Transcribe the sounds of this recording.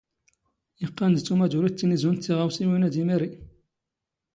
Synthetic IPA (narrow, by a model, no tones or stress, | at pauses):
jəqːɑnd̪t͡sːumæd̪uɾit̪ːinizunt͡s̪ːiʁawsiwinæd̪imiɾi